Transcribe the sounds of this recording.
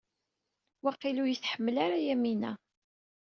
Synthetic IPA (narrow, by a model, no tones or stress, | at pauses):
wɑqːilujəθħəmːəlaɾajæminæ̰